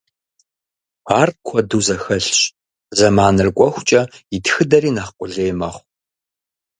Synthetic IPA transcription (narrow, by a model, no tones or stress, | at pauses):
paːrt̚kʷʰɔduːzɐxɐɬɕ | zɐmaːnɨrkʷʼɔxʷʊt͡ʃʼɐɪtxɨdɐriːnaχqʷʼʊɮeːmɐχʷ